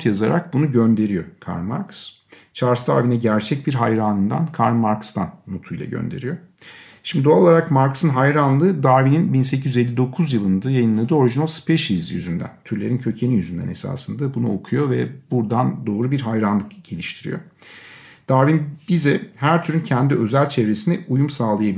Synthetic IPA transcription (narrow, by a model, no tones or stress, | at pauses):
jazaɾa̰k̚bunuɟønd̪e̞ɾijo̞kʰa̰ɾnma̰ɾks | t͡ʃʰaɾsd̪aɾvinɛɟæɾt͡ʃʰɛc̚biɾɦajɾaːnɯnd̪a̰nkʰaɾnmaɾkst̪ʰanːot̪ʰujlˠa̰ɟø̰nd̪e̞̰ɾijo̞̰ | ʃimd̪id̪oaolˠaɾakmaɾksɯnɦajɾanlˠɯːd̪aɾvininbinse̞cizjyze̞lʲːid̪o̞kʰuzjɯlˠɯnd̪ɯːjajɯnlˠad̪ɯːo̞ɾiʒinalˠspʰeʃizjy̰zynd̪æ̰nt̪ʰyɾlʲe̞ɾincʰø̞cʰe̞nijyzynd̪æ̰nesa̰ːsɯnd̪abunṵo̞̰kʰujo̞vɛ̰b̥uɾd̪and̪o̞ːɾubiɾɦajɾanlˠɯkɟelʲiʃt̪ʰiɾḭjo̰ | d̪̥aɾvinbizɛhæɾt̪ʰyɾyncʰɛnd̪iʔø̞zælʲt͡ʃʰevɾe̞sinɛʔujumsaːlˠajab